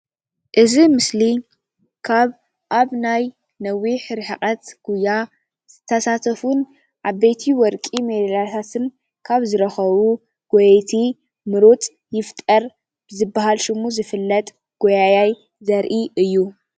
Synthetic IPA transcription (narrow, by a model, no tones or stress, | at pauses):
ʔɨzimɨsli | kʰaβ | ʔaβnaj | nɐwiħɾɨħɨkʼɐt̪ɡ̥uja | z̥ɨt̪ʰːɐsat̪ʰɐfun | ʔaβːet̪ʰiwɔɾkʼimedɐlat̪ʰat̪ʰɨn | kʰaβzɨɾɐxɐβu | ɡ̥ɔjet̪ʰi | mɨɾot̪ʼ | jɪft̪ʼɐɾ | b̥ɨzɨbːaɦalʃɨmuzɨfɨlːɐt̪ʼ | ɡ̥ojajaj | zɐɾʔiʔɨjːu